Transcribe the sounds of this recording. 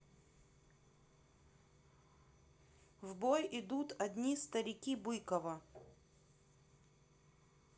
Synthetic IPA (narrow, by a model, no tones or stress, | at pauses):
vbojɪd̪ut̪ɐd̪ʲnʲist̪ɐɾʲɪkʲibɨjkəvə